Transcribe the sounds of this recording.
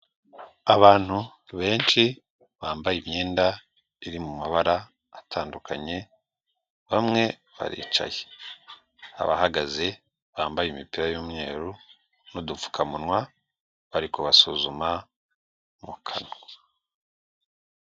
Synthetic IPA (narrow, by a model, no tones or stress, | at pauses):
aβaːn̥hu | βe̞ːnt͡ʃi | βaːmbajimɲeːnda | iɾimumaβaɾaː | tʰaːndukʰa̰ɲe̞ | βamŋe̞ | βa̰ɾḭːt͡ʃa̰je̥ | a̰βa̰haɡaze̞ | βaːmbajimipiɾajoːmɲe̞ːɾu | nodufu̥kʰamunwa | βaɾikoβasuzuma | mukʰan